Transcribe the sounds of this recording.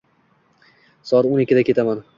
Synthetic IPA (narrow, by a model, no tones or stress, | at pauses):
sɒɾonɪkʲːɪd̪akʰʲe̞t̪ʰaman